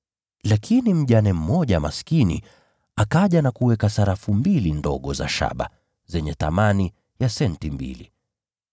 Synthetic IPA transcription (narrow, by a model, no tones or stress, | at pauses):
lakʰinim̩ʄanɛm̩mɔʄama̰skinḭ | akaʄanakuwɛkasaɾafumbilindɔ̰ɠɔza̰ʃa̰ɓa̰ | zɛɲɛθa̰mani | jasɛntimbḭli